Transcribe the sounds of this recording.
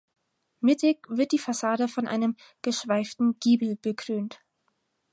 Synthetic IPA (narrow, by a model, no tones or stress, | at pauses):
mɪtʰɪkv̥ɪɐt̚d̥iːfasaːɾəfɔnʔa̰ɪnəm | ɡ̥əʃv̥aɪftn̩ɡ̥iːbl̩b̥əkʁ̥øːnt